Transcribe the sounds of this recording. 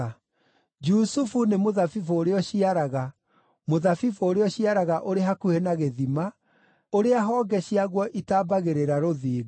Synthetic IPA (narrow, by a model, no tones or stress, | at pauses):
d͡ʒusufunemoðafifoːɾeɔɕiaɾaɣa | moðafifooɾeɔɕiaɾaɣaʔoɾeɦakuhenaɣeðima | oɾeaɦɔːɡɛɕiaɣwɔʔitaːbaɣeɾeɾaɾoðiːɣ